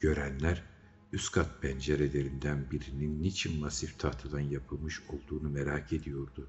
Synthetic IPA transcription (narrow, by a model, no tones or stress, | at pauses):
ɟ̥ø̞ɾænlʲæɾ | yskʰat̪̚pʰænd͡ʒeɾelʲeɾind̪ænbiɾininːit͡ʃʰinmasift̪ʰaht̪ʰɯd̪anjapʰɯlˠmɯʃo̞lˠd̪uːnumeɾaːkʰe̞d̪ijo̞ɾd̪u